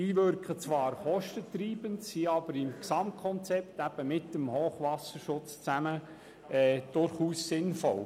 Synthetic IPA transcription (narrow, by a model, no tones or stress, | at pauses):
iːʋʏɾkχət͡sʋɑːɾχɔʃtətɾiːb̥əntsiɑbəɾɪmksɑmt̚kʰɔnt͡sɛp̚t̪æb̥əmɪtəmhoːχʋɑsəɾʃʊt͡st͡sæmə | ɛːd̥ʊɾχuːssɪnfɔ̰l